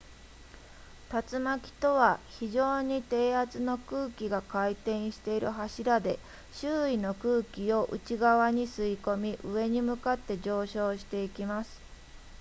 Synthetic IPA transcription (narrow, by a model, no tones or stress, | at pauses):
t̪at͡sɨmakʲi̥t̪o̞βaçiʑo̞ːɲ̟it̪e̞ːat͡sɨno̞kɯ̟ːkʲiɡakait̪ẽ̞ɰ̃ɕi̥t̪e̞iɾɯ̟ɦaɕiɾad̪e̞ | ɕɨːino̞kɯːkʲio̞ʔɯ̟̰t͡ɕiɡaβaɲ̟isɨiko̞mʲiʔɯ̟e̞ɲ̟imɯ̟kat̪ːe̞ʑo̞ːɕo̞ːɕi̥t̪e̞ikʲimasɨ̥